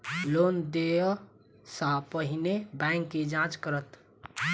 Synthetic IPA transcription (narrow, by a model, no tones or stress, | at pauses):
loːnd̪eə | sapəɦɪnebɛ̃ŋkːed͡ʒãːt͡ʃkəɾət̪